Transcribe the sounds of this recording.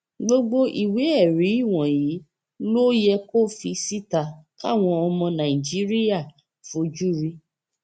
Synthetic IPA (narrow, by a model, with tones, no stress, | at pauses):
ɡ͡bo˧ɡ͡bo˧ʔi˨we˨˦ɛ˦˨ɾi˨˦i˦˨w̃ɔ̃˨ji˨˦ | lo˦jɛ˧ko˦˨fi˧si˦ta˧˨ka˦˨w̃ɔ̃˧ɔ˧mɔ̃˧nã˨i˨d͡ʒi˨˦ɾi˦ja˦˨ | fo˧˦d͡ʒu˦ɾi˧